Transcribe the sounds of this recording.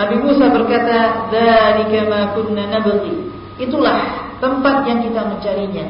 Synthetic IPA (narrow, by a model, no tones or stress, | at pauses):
abimusabərkat̪aðalikamaːkʊnːanabli | ʔit̪ulaht̪əmpat̪̚jaŋkit̪aməɲt͡ʃaɾiɲa